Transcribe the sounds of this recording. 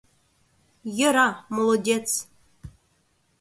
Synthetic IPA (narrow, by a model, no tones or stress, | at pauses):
jəɾɑmolˠodʲet͡s